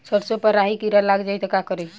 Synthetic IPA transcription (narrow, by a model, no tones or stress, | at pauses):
səɾsopəɾaɦikiɾalaɡd͡ʒajt̪ɔkakəɾe